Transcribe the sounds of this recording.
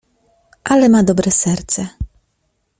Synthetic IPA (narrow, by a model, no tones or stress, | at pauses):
ʔalɛmad̪ɔbɾɛsɛɾt̪sɛ